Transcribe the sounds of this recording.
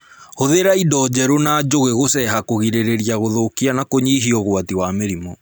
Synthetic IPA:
hoðeɾaidɔd͡ʒɛɾonad͡ʒoɣeɣosɛɦakoɣiɾeɾeɾiaɣoðokianakoɲiːɦiɔɣwatiwameɾimɔ

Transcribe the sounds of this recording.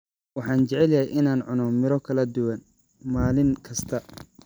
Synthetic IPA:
wɑħɑːnt͡ʃɛʕɛljɐhɛjʔɪnaːnʕʊnɔmɪɾɔkʰɐlɐd̪ʊwɐn | maːlɪŋkʰɐst̪ʰɐ

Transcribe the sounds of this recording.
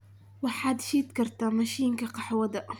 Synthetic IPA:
waħad̪ʃiːt̪kɑɾt̪amaʃiɪnkaqɑħwad̪aʔ

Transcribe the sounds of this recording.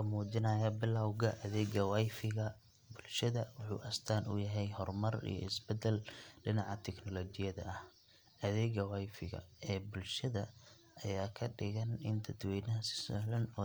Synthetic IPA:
kʰɐmuːt͡ʃɪnɐjɐbɪlːɐwɣɐʔɐðɛːɡɐwajfɪɣɐ | bʊlʃɐðɐwʊħṵːʔɐst̪ʰaːnʊ̰jɐɦɛjhɔrmɐrḭjɞ̰ɪsbɛd̪ɛlɖɪnɑʕɑt̪ʰɛknɔlɔːt͡ʃɪjɐðɐ̰ʔɐh | ʔɐðɛːɣɐwajfɪɣɐ̰ɛːbʊlʃɐðɐ | ʔɐjaːkʰɐɖɪɣɐnɪnt̪ʰɐd̪wɛjnɐɦsɪ̥sɔlɐnɔː

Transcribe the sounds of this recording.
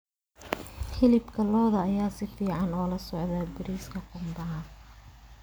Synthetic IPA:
ħɪlɪbkʰɐlɔːðɐːjaːsɪfiːʕɑnɔːlɐsɔʕðɐbɪɾiːskʰɐqʊmbɐɦɐ

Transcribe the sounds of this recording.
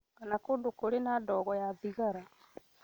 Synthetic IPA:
kanakoːndokoɾenadɔɣɔjaðiɣaɾa

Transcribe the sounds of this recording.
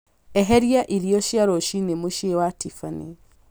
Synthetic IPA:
ɛɦɛɾiaʔiɾiɔʃjaɾɔʃinemoʃewatifanḭ

